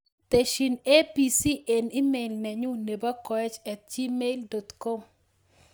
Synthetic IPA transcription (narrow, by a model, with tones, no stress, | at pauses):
t̪e˨ʃi˨ne˦pi˨si˦ʔe˨ni˦me˨lnɛ˨ɲʊ˦ne˨ba˦kɔ˨ɛ˦t͡ʃɛ˨t̪̚d͡ʒi˦me˦ildɔ˨t̪kɔ˦m